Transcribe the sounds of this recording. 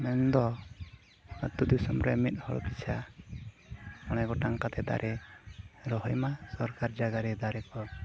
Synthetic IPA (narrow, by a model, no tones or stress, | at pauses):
mɛnd̪ɔ | at̪ːud̪isɔmɾɛmit̪̚ˀhɔɽɔ̰pit͡ʃʰa | kɔɽ̃aɡɔʈaŋkat̪ɛd̪a̰ɾʔɛ | ɾɔɦɔjmasɔɾkaɾd͡ʒaɡaɾɛd̪aɾɛkɔ